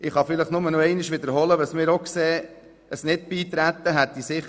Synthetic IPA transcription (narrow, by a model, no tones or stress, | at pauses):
ɪχhɑfɪləχnʊmənɔɛɪnɪʃʋɪd̪əɾɦɔləʋɑsmɪːɾokseː | əsnɪt̚b̥iːt̪ɾæt̪ːəɦæt̪disɪχ